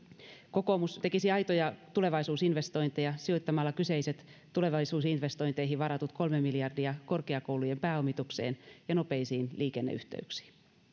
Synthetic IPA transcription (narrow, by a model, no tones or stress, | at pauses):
ko̞ko̞must̪e̞kisiɑjt̪ojɑt̪ule̞ʋɑisuːsinʋe̞st̪o̞int̪ejɑsio̞jt̪ːɑmɑlːɑkyseiset̪ː | ule̞ʋɑlːˑisuːsinʋe̞st̪o̞int̪eiɦiʋɑɾɑt̪ut̪ko̞lmemːiljɑrdiɑko̞rkeɑkowlujempæːomit̪ukse̞̰ːnjɑno̞pe̞isiːnlʔiːke̞nːḛy̰ht̪ḛyksi̥ː